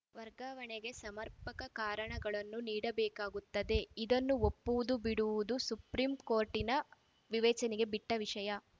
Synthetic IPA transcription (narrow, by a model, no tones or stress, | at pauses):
ʋɐɾɡaːʋɐɳeɡe̞sɐmɐɾpɐkɐkaːɾɐɳɐɡɐɭɐnːuniːɽɐbɛːkaːɡut̪ːɐd̪e̞id̪ɐnːuopːuʋud̪ubiɽuʋud̪usupɾiːmko̞ːɾʈinɐ | ʋiʋɛːt͡ʃɐniɡe̞biʈːɐʋiʂɐjɐ